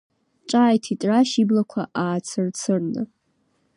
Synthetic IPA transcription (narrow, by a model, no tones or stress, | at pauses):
t͡ʃʼaːjtʰitʼraʃiblakʷʰaʔaːt͡sʰɨrt͡sʰɨrnɨ̰